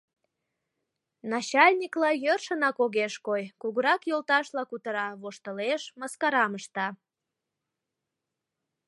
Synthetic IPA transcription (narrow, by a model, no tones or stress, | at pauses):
nɑt͡ɕɑlʲnʲiklɑjørʃənɑkoɣeʃkojkuɣuɾɑkjolt̪ɑʃlɑkut̪əɾɑβoʃt̪əleʃməskɑɾɑməʃt̪ɑ